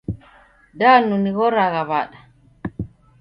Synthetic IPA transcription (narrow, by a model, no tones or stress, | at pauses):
danuniɣɔɾaɣaβaɗa